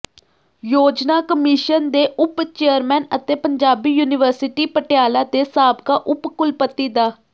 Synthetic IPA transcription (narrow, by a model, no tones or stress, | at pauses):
joːd͡ʒnaːkəmɪʃənd̪eːʔʊpt͡ʃeːəɾmɛːnət̪eːpəɲd͡ʒaːbiːjuːnɪʋəɾsɪʈiːpəʈjaːlaːd̪eːsaːbkaːʔʊpkʊlpət̪ːiːd̪aː